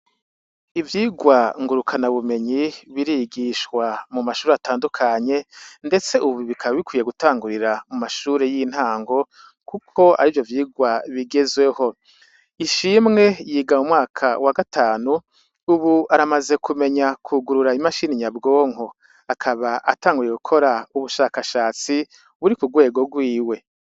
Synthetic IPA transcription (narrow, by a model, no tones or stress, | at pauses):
ivjiːɡwaŋɡuɾukʰanaβume̞ɲiβiɾiɡiʃkwamumaʃuːɾeataːndukʰaɲe̞nde̞t͡se̞ʔuβiβikʰaβaβikwiːje̞ɡutaːŋɡuɾiɾamumaʃuːɾe̞jin̥haːŋɡo̞ | kukʰo̞a̰ɾiːvjo̞vjiːɡwaβiɡe̞zwe̞ho̞ | iʃiːmŋe̞jiːɡamumŋaːkʰawaɡatʰaːnu | uβuaɾamaze̞kʰume̞ɲakʰuɡuɾuɾaimaʃiːniɲabɡo̞ːŋo | akʰaβaʔa̰taːŋɡujeɡukʰo̞ɾauβuʃaːkaʃaːt͡si | βuɾikuɡwe̞ːɡo̞ɡwiːwe̞